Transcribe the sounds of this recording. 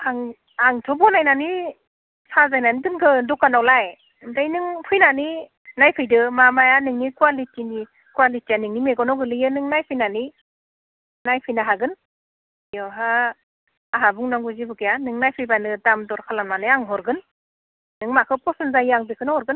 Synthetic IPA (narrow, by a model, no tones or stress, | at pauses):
aŋ | aŋtʰɔbɔnajnani | sʰazajnanidɯnkʰɯdɔkanawlaj | ndajnɯŋpʰɯjnani | najpʰɯjdɯmamajanɯŋnikwalitini | kuwalitijanɯŋnimeɡɔnɔɡɯlɯjɯnɯŋnajpʰɯjnani | najpʰɯjnaɦaɡɯn | jɔɦa | aɦabuŋnɔŋɡuzibɯkijanɯŋnajpʰɯjbanɯdamdɔɾkʰalanmanɯjaŋɦɔɾɡɯn | nɯŋmakʰɯpɔsɯnzajaŋbikʰɯnhɔɾɡɯn